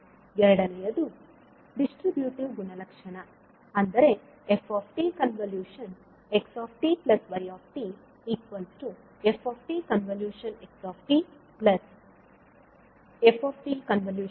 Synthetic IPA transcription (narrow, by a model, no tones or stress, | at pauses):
ɛɾɐɽɐnɐjɐd̪u | ɖisʈɾibjuːʈiʋɡunɐlɐkʂɐɳɐ | ɐnd̪ɐɾe | efʰaːpʰʈikɐnʋɐljuːʃɐn | eksaːpʈiplɐsʋɐjaːp̚ʰʈiː | kʋɐlsʈu | efʰaːpʈiːkɐnʋɐljuːʂɐneksaːpʈiplɐs | efʰaːp̚ʈikɐnʋɐljuː